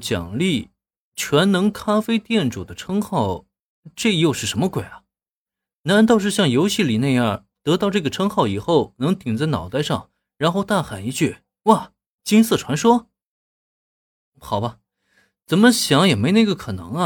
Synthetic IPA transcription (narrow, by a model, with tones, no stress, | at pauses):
t͡ɕjɑ̰˨˩ŋli˥˩ | t͡ɕʰɥɛ˧˥nnɤ˧˥ŋkʰa˥fe˥ɪt̪jɛ˥˩nʈ͡ʂu˨˩d̪ə˦ʈ͡ʂʰɤ˥ŋxɑ˥˩ʊ | ʈ͡ʂe˥˧jo˥˧ʊʂɻ̩˥˩ʂə˧˥nmə˧kwe˨˩ɪɐ˦ | na˧˥nt̪ɑ˥˧ʊʂɻ̩˥˧ɕjɑ˥˩ŋjo˧˥ʊɕi˥˩li˨˩na˥˧ɪjɐ˞˥˩ | t̪ɤ˧˥t̪ɑ˥˧ʊʈ͡ʂɤ˥˩ɡə˩ʈ͡ʂʰɤ˥ŋxɑ˥˩ʊi˨˩xo˥˩ʊnɤ˧˥ŋt̪i˨˩ŋt͡sa˥˩ɪnɑ̰˨˩ʊt̪a˥˧ɪʂɑ̰˥˩ŋ | ɻa˧˥nxo˥˧ʊt̪a˥˩xa˨˩ni˧˥t͡ɕy˥˩ | wa˥˩ | t͡ɕi˥ŋsɤ˥˩ʈ͡ʂʰwa˧˥nʂwɔ˥ | xɑ˨˩ʊbɐ˦ | t͡sə˨˩nmə˦ɕjɑ˧˥ŋjɛ˨˩me˧˥ɪna˥˩ɪɡə˧kʰɤ˨˩nɤ̰˧˥ŋɐ˦˧